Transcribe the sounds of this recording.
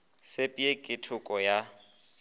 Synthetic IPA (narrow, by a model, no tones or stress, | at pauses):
sepʼiekʼɪtʰʊkʼɔja